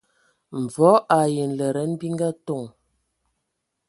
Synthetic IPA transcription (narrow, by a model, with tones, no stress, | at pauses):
m̩˨vɔ˨˦ʔa˨je˨n˨lə˨ɾə˨˦n˦bi˦ŋ˦ɡa˦to˦˨ŋ